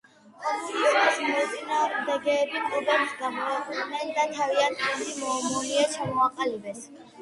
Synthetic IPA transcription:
χɔisasmɔt̪sʼinaːɾd̪ɛɡɛːbimʼɔbɛmisɡamɔɛχud̪nɛnd̪at̪ʰaviant̪ʰɛnd̪imɔːmuliat͡ʃʰamɔaqʼalibɛs

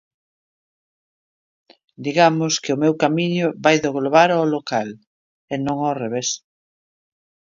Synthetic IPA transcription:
d̪iɣamʊskɪʊmewkamiɲʊβajðoɣloβaɾaolokal | enõŋareβ̞es

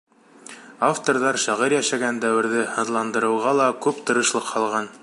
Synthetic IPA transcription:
aft̪oɾðɑɾʃɑʁɤɾjæʃæɡænd̪æwɘ̆ɾðɘhɤ̆ðlˠɑnd̪ɤ̆ɾɤ̆wʁɑlˠɑkʉpt̪ɤ̆ɾɤ̆ʃlˠɤqhɑlˠʁɑn

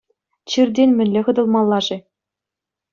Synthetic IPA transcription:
t͡ɕirʲdʲenʲmʲɘ̆nʲlʲĕʁɤ̆d̪ɤ̆lˠmɑlˠːɑʐɘ̆

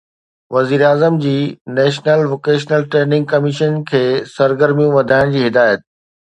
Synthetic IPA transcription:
ʋɐziːɾaːzəmd͡ʑiːnɛːʃnəlʋoːkeːʃnəlʈɾeːnɪ̃ŋɡ̚kɐmɪʃənkʰeːsɐɾɡəɾmijũʋɐd̪ʱaːɪɽ̃d͡ʑiːɦɪd̪aːjət̪̚

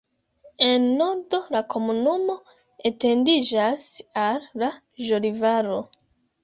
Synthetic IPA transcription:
e̞nːo̞ɾdo̞lakʰo̞munumo̞ | ete̞ndid͡ʒasalːa | ʒolivaɾo̞

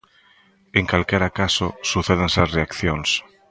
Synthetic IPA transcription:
eŋkalkeɾakasosuθeð̞enseasreakθjons

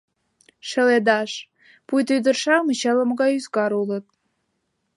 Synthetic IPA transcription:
ʃə̆led̪ɑʃ | pujt̪yd̪ə̆rʃɑmət͡ɕɑlə̆mɣɑjyzɡɑɾulə̆t̪̚

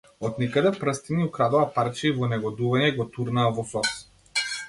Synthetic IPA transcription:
ɔt̪nikad̪ɛpɾəst̪iniukɾad̪ɔapaɾt͡ʃivɔnɛɡɔd̪uvaɲɛɡɔt̪uɾnaːvɔsɔs

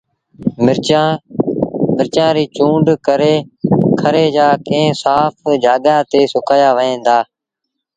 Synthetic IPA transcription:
mɪɾaː | mɪɾt͡ʃãːɾiːt͡ʃũːɳɖkəɾeːkʰəɾeːd͡ʒaːkẽːsaːpʰd͡ʒaːɡãːt̪eːsʊkʰaːjaːʋəẽːnd̪aː

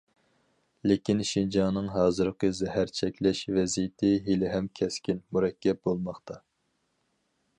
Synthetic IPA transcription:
lekʲinʃind͡ʒɑnɨŋɦɑːzɨɾqəzɛhæɾt͡ʃʰɛkʲlɛʃvɛzijɪt̪ʰɪɦilɪɦɛmkʲʰɛskʲinmuɾɛkʲːɛp̚bolˠmɑχt̪ʰɑ

